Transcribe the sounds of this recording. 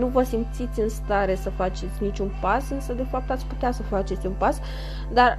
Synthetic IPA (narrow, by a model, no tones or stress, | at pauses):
nuvəsimt̪sit̪sʲɨnst̪aɾe̞səfat͡ʃe̞t̪sʲnit͡ʃunpasɨnsəd̪e̞fap̚t̪at̪sʲput̪easəfat͡ʃe̞t̪sʲunpas | d̪ar